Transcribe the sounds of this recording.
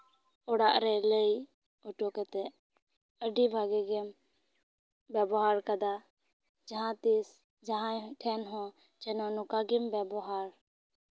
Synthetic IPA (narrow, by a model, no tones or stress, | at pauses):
ɔɽaʔɾɛləj | ɔʈɔkɛt̪ɛʔ | əɖibʱaɡɛɡɛm | bɛbɔɦaɾkad̪a | d͡ʒaɦãt̪is | d͡ʒaɦãjʈʰɛnɦɔ̃ | t͡ʃɛnɔnukaɡɛmbɛbɔɦaɾ